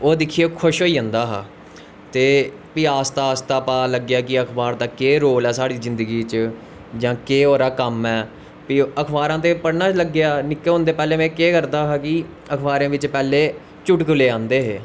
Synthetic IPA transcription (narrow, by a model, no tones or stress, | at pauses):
oːd̪ɪkʰiːekʰʊʃɦoːiːãːnd̪aːɦaː | t̪eː | piːaːst̪aːst̪aːpaːləɡjaːkɪəkʰbaːɾd̪aːkeːɾoːlɛːsaːɽiːzɪ̃nd̪əɡiːt͡ʃ | d͡ʒãːkeːoːɾaːkəmɛː | piəkʰbaːɾãːt̪̬eːpəɽnãːt͡ʃləɡːjaːnɪkːeːɦʊ̃nd̪eːpɛːleːmɛ̃ːkeːkəɾd̪aːɦaːkɪ | əkʰbaːɾãːʋɪt͡ʃpɛːleː | t͡ʃʊʈkʊleːãːnd̪eːɦeː